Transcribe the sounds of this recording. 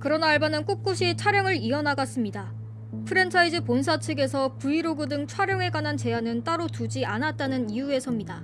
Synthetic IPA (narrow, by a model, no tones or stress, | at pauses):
kɯɾʌnaːɭbanɯnk͈op̚k͈uɕʰit͡ɕʰwaɾjʌŋɯɾiʌnaɡas͈ɯmɲida | pʰɯɾe̞ntʰaid͡ʑɯponsʰat͡ɕʰɯɡe̞sʰʌpuiɾoɡudɯŋt͡ɕʰwaɾjʌŋe̞ɡwanant͡ɕe̞anɯnt͈aɾotud͡ʑianat̚t͈anɯnijue̞sʰʌmɲida